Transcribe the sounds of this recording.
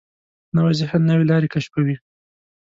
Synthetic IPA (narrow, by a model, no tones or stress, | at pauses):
nawazɪhannawelɑɾekaʃpawi